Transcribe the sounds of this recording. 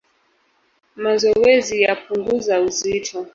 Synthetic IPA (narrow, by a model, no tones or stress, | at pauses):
mazɔwɛzijapʰuŋɡuzauzitʰɔ